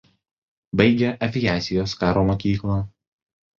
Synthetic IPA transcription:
bɐɪɡʲɛʔɐʋʲɪjæːt̪sʲɪjoːskɑːɾoːmoːkʲiːklˠɑː

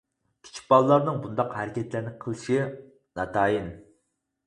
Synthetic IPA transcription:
kʲʰi̥t͡ʃʰi̥k̚bɑlˠɨlˠɑɾnɨŋbund̪ɑqhæɾɪkʲʰɛt̪ʰlæɾnɪqʰəlˠɨʃi | nɑt̪ʰɑːjin

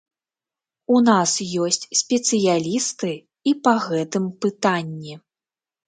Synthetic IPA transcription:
unasjɔsʲt͡sʲsʲpʲɛt̪sɨjalʲist̪ɨ | ipɐɣɛt̪ɨmpɨt̪anʲːɛ

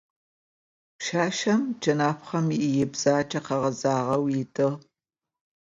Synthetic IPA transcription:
pʃaːʃɐmd͡ʒɐnaːpχɐmiʔɪjɪbz̥aːt͡ʃʼɐqɐʁɐzaːʁɐwjɪtʼɨʁ

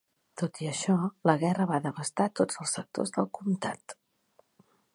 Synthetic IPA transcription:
t̪ot̪iəʃɔləɣɛrəβaðəβəst̪at̪od͡zəlˠsək̚t̪o̰zðəlˠkumt̪a̰t̪

